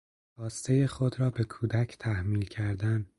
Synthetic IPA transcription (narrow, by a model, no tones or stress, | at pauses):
hɒːst̪ʰejexo̞d̪ɾɒːbe̞kʰuːd̪æcʰt̪ʰæhmiːlcʰæɾd̪æn